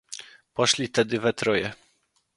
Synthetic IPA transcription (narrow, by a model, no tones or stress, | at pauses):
pɔʂlʲit̪ɛd̪ɘvɛt̪ɾɔjɛ